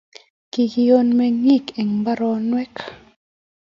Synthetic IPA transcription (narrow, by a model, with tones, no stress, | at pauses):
ki˨ki˨jo˦nmɛ˧ŋi˦˨ke˨ŋba˦ɾɔ˦nwɛ˦k